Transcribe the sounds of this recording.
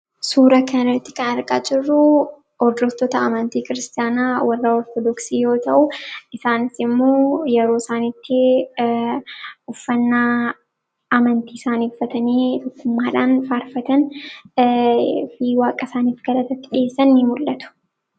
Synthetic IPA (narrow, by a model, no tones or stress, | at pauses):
suːɾɐkɐnɐrɐt̪ːɪ̥kɐnɐɾkʼaːd͡ʒɪrːʊ | ɔɾd̪ɔt̪ːɔt̪ɐɐmɐnt̪iːkɪɾɪst̪ɪjaːnaːwɐrːaɔɾt̪ɔd̪ɔksiːjo̞ːt̪ɐʔʊɪsaːnɪsɪmːoːjɛɾoːɪsaːnit̪ːɪ | ʊfːɐnːa | ɐmɐnt̪iːsaːnifːɐt̪ɐneːt̪ɔkːʊmːaːᶑaːnfaːɾfɐt̪ɐn | fiːwaːkʼɐsaːniːfɡɐlɐt̪ɐt̪ːɪᶑɪeːsːɐnːɪmʊlːɐt̪ʊ̥